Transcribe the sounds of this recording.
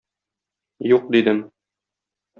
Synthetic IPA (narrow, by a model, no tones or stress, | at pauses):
juq̚d̪id̪ɘm